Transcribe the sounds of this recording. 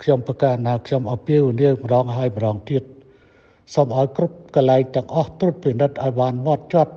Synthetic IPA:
kʰɲomprɑkaːnaːkʰɲomʔɑmpiəʋiniəmə̆ɗɑːŋɦaəjmə̆ɗɑːŋt̪iət̪̚ | somʔaɔjkrup̚kɑnlaɛŋt̪ɛ̆əŋʔɑht̪rup̪pinɨt̪̚ʔaɔjɓaːnmŏət̪̚t͡ɕŏət̪̚

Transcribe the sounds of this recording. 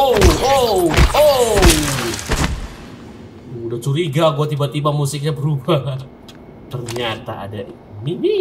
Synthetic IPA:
ooo | udat͡ʃuɾiɡaɡuat̪ibat̪ibamusɪk̚ɲabəɾuba | t̪ərɲat̪a̰a̰dai | nii

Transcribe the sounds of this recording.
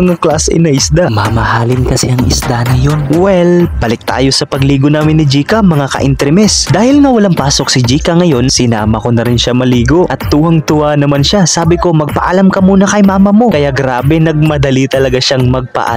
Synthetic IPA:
ɐŋaklasɪ̰nɐʔɪsd̪amɐmɐhaːlɪnkɐsɛɐŋɪ̰sd̪anɐjo̞nwɛlb̥ɐlɪk̚t̪a̰ːjo̞sɐpɐɡliːɡonaːmɪnːɪd͡ʒiːkɐmɐŋakɐ̰ʔɪnt̪ɾɛmɛsd̪aːhɪlŋɐwɐlaŋpaːso̞k̚sɪd͡ʒiːkɐŋɐjo̞nsɪna̰ːmɐko̞nɐɾɪnʃamɐliːɡo̞ʔɐt̪ːuːhɐŋt̪ʊanɐmanʃasaːbɪko̞mɐɡ̚pɐʔalamkɐmuːnɐkɐjmaːmɐmo̞kɐjaɡɾaːbɛnɐɡ̚mɐd̪ɐlit̪ɐlɐɡaʃaŋmɐɡ̚pɐ̰ʔa̰

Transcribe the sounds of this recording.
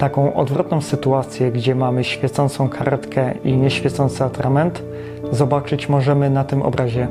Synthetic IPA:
t̪akɔ̃w̃ʔɔ̰d̪vɾɔt̪̚nɔ̃w̃sɘt̪uat̪sʲjɛɡd͡ʑɛmamɘɕfʲjɛt̪sɔnt̪sɔ̃w̃kʰaɾt̪kʰɛiɲɛɕfʲjɛt̪sɔnt̪sɘat̪ɾʔamɛnt̪ | zɔbat͡ʂɘt͡ɕmɔʐɛmɘnat̪ɘmʔɔ̰bɾʔaʑɛ

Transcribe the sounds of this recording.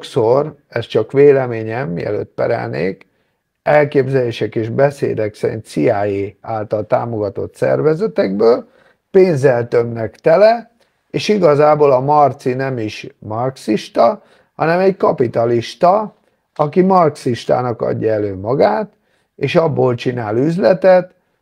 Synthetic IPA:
ksorɛst͡ʃɒkʋeːlɛmeːɲɛmːiɛ̰lø̰ːt̪̚pɛ̰ɾɛ̰lnḛːk | ɛlkeːbzɛleːʃɛkeːʒbɛsḛːd̪ɛksɛɾḭnt̪sijaːjeaːlt̪ɒlt̪a̰ːmo̞ɡɒt̪o̞̰t̪sɛ̰rvɛzɛt̪ɛɡbøːl | peːnzɛlt̪ømnɛkt̪ɛlɛ | eːʃiɡɒzaːboːlɒmɒrt̪sinɛmiʃmɒrksiʃt̪ɒ | hɒnɛmɛɟkɒpit̪ɒliʃt̪ɒ | ɒkimɒrksiʃt̪a̰ːnɒkɒ̰ɟːɒɛløːmɒɡaːt̪ | eːʃɒbːoːlt͡ʃinaːlyzlɛt̪ɛt̪

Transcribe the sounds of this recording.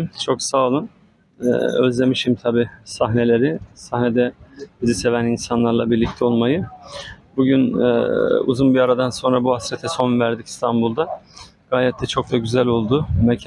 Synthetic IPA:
t͡ʃʰo̞ksaːlˠɯn̰ː | ø̰zd̪ʲe̞miʃimt̪ʰabiːsaɦne̞lʲe̞ɾɪsahne̞d̪ɛbizise̞væninsanlˠaɾlˠabiɾlʲic̚t̪ʰɛo̞lˠmajɯ | buɟyn̰ː | ṵzunbiaɾad̪anso̞nɾabuhasɾɛt̪ʰɛso̞nvæɾd̪icist̪ʰanbulˠd̪a | ɡ̥aːlʲɛt̪ʰːɛt͡ʃʰo̞k̚d̪aɟyzælʲo̞lˠd̪ʊmɛcʰ

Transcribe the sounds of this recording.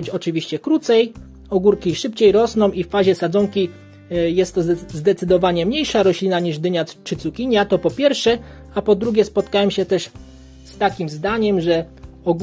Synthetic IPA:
t͡ɕɔt͡ʂɘvʲiɕt͡ɕɛkɾut̪sɛj | ɔɡuɾkʲiʂɘpt͡ɕejɾɔsnɔ̃w̃iffaʑɛsad̪zɔŋkʲi | jɛst̪ːɔzd̪ɛt̪sɘd̪ɔvaɲɛmɲejʂaɾɔɕlʲinaɲiʐd̪ɘɲat͡ʂɘt̪sukʲiɲat̪ɔpɔpʲjɛɾfʂɛ | apɔd̪ɾuɡʲɛspɔt̪kawɛmɕɛt̪ɛʂ | st̪akʲimzd̪aɲɛmʐɛ | ɔɡ

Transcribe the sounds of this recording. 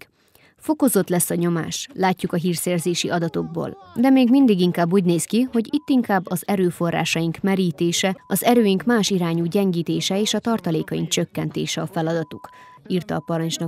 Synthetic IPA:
fo̞ko̞zo̞t̪lɛsːɒɲo̞ma̰ːʃlaːcːukɒɦiːrsɛːrzeːʃiʔɒd̪ɒt̪o̞ɡ̚bo̰ːld̪ɛmeːɡmind̪iɡiŋkaːbːuːɟneːskiho̞ɟit̪ːiŋkaːbːɒzɛɾøːfo̞rːa̰ːʃɒjiŋkmɛɾiːt̪eːʃɛɒzɛɾøːjiŋkmaːʃiɾaːɲuːɟɛŋɡiːt̪eːʃɛeːʃɒt̪ɒrt̪ɒleːkɒjiŋk̚t͡ʃø̞kːɛnt̪eːʃɛɒfɛlɒd̪ɒt̪uk | iːrt̪ɒːpɒɾɒɲt͡ʃnɒ

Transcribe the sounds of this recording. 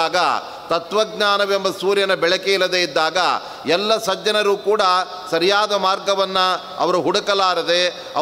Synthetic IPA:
aːɡɐ̰ | t̪ɐt̪ʋɐɡɲaːnɐʋembɐsuːɾjɐnɐbɛɭɐkeilːɐd̪eid̪ːaːɡɐ̰ | ɛlːɐsɐd͡ʒɐnɐɾuːkuːɽɐ | sɐɾijaːd̪ɐmaːɾɡɐʋɐnːɐ | ɐ̰ʋɐɾuɦuɽɐkɐlaːɾɐd̪e̞ | ɐ̰

